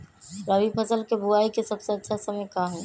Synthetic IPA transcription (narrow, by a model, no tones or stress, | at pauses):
ɾəʋipʰəsəlkebuaːikesɐbseɐtːʃʰasɐməjkaːɦɛ̃ː